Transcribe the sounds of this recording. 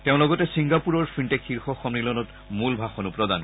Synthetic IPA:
teʊ̃lɔɡɔtɛsiŋɡapuɹɔɹfʰɹinʈekxʰiɹxɔxɔmnilɔnɔt | mulbʱaxɔnupɹɔd̪an

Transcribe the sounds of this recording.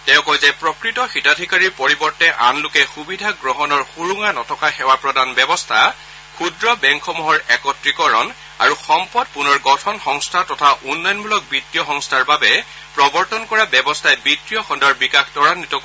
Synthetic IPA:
tɛʊ̃kɔjzɛpɹɔkɹitɔxitadʱikaɹiɹpoɹibɔɹtɛʔa̰nlʊkɛxubidʱaɡɹɔɦɔnɔɹxuɹuŋanɔtʰɔkaxɛwapɹɔdanbɛbɔstʰa | xʰudɹɔbɛŋkʰɔmuɦɔɹɛkɔtɹikɔɹɔn | a̰ɹuxɔmpɔd̚punɔɹɡɔtʰɔnxɔŋstʰatɔtʰaʔunːɔjɔnbulɔk̚bɹitːijɔxɔŋstʰaɹbabɛ | pɹɔbɔɹtɔnkɔɹabɛbɔstʰajbɹitɹijɔxɔndɔɹbikaxtɔɹanitɔk

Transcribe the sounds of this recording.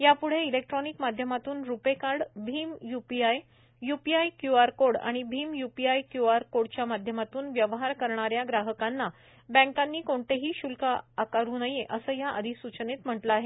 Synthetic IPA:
japuɽ̤eilek̚ʈɾɔnikmad̪ʱjəmat̪uːnɾupekaɽbʱiːmjupiaj | jupiajkjuaɾkoɽa̰ɽ̃ibʱiːmjupiajkjuaɾkoɽt͡ɕjamad̪ʱjəmat̪uːnʋjəʋɦaɾkəɾɳaɾjaɡɾaɦəkanːa | bə̃ŋkanːiːkoɳʈeɦiːɕulkaːkaɾuːnəjeʔəsəːjaʔəd̪ʱisut͡ɕənet̪m̤əʈləːɦe

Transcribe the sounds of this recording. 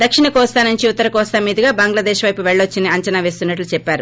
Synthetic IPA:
d̪ɐkʂiɳɐkɔːst̪aːnuɲt͡ʃiut̪ːɐɾɐkɔːst̪amiːd̪ɐɡaːbɐŋɡlɐd̪eːʃʋɐjpuʋɛɭːot͡ʃːiniɐɲt͡ʃɐnaːʋe̞ːst̪unːɐʈlut͡ʃɛpːaːɾu

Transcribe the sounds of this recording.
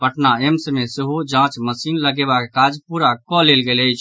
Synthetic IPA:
pəʈnaemsəmeseɦod͡ʒãt͡ʃməsinləɡebakekad͡ʒpuɾakɔlelɡeləjt͡ʃʰ

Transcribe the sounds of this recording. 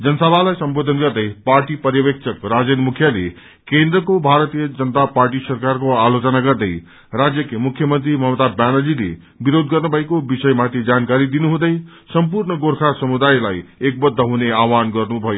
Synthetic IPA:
d͡zʌnʌsʌbʱalajsʌmbod̪ʱʌnɡʌrd̪ʌjparʈipʌrjʌbek̚t͡sʰʌkrad͡zenmukʰjalḛ | kend̪rʌkobʱaɾʌt̪ijʌd͡zʌnət̪aparʈisʌrkarkoalot͡sʌnaɡʌrd̪ʌj | rad͡zjʌkemukʰjʌmʌnt̪rimʌmt̪abanʌlilḛ | biɾod̪ɡʌrnubʱʌekobisʌjmat̪ʰid͡zankaɾid̪inuɦũd̪ʌj | sʌmpurɳʌɡorkʰasʌmud̪ajlajek̚bʌd̪ʱːʌɦuneawanɡʌrnubʱʌjo

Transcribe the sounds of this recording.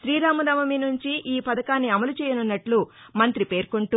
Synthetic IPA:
ʃɾiːɾaːmɐd̪ɐmɐminuɲt͡ʃiʔiːpɐd̪ɐkaːnːiɐmɐlut͡ʃɛːjɐnunːɐʈlumɐnt̪ɾipe̞ːɾkuɳʈu

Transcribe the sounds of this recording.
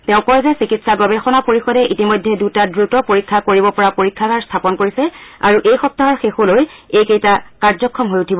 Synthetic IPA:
tɛʊ̃kɔɹzɛsikitsaɡɔbɛxɔnapoɹixɔdɛʔitimɔjdʱːɛdutadɹutɔpoɹikʰːakoɹibɔpɔɹapoɹikʰːakaɹstʰapɔnkoɹisɛa̰ɹuʔejxɔp̚taɦɔɹxexolojejkejtakaɹzɔkʰːɔmɦojutʰibɔ

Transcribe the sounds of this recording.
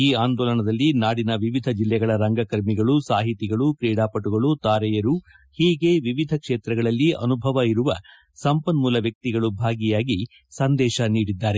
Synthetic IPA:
iːaːnd̪ɔːlɐɳɐd̪ɐlːinaːɽinɐʋiʋid̪ʱɐd͡ʒilːɛɡɐɭɐɾɐŋɡɐkɐɾmiɡɐɭusaːɦit̪iɡɐɭukɾiːɽaːpɐʈuɡɐɭut̪aːɾɛjɐɾu | hiːɡe̞ʋiʋid̪ʱɐkʂeːt̪ɾɐɡɐɭɐlːiɐ̰nubʱɐʋɐiɾuʋɐ | sɐmpɐnmuːlɐʋjɐk̚t̪iɡɐɭubʱaːɡijaːɡi | sɐnd̪ɛːʃɐniːɽid̪ːaːɾe

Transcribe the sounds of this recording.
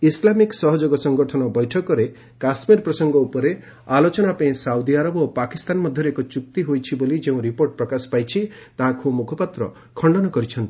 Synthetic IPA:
islamiksɔɦɔd͡ʒoɡɔsɔŋɡɔʈʰɔnɔbɔjʈʰɔkɔɾe | kasmiɾpɾɔsɔŋɡɔupɔɾe | alot͡ʃɔnapaĩsawd̪iaɾɔbopakist̪anmɔd̪ʱjɔɾeekɔt͡ʃuk̚t̪iɦojt͡ʃʰibolid͡ʒeũɾipoɾʈ̚pɾɔkasɔ̥pajt͡ʃʰi | t̪aɦãkʰumukʰɔpat̪ɾɔ̰ | kʰɔɳɖɔnɔkɔɾit͡ʃʰɔnt̪i

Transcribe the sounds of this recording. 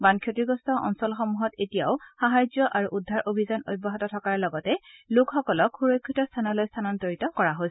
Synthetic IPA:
bankʰjotiɡɔstɔʔɔ̰nsɔlxɔmuɦɔtetija̰ʊxaɦajzjɔʔaɹuʔudʱaɹʔobʱizano̰jbɔɦatɔtʰɔkaɹlɔɡɔtɛlukxɔkɔlɔkʰxuɹojkʰːitɔstʰanɔlojstʰanɔntoɹitɔkɔɹaɦos

